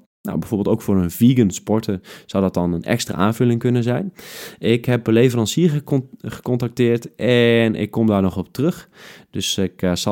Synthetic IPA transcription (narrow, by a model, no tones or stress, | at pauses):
na̰wbɛjvoːbɪlˠtowkfʊːrənviːɡənspɔɹtəz̥awdɔt̚dɔnənɛ̰kstra̰ːʔa̰ːnvølɪŋkønəzɛjnɪkɦɛp̚əlejvərɑnsiərəɣə̥kɔntak̚tɪːərtʔɛnɪ̰kːɔmdaːɹnɔxɔp̚trøxd̥øsɪks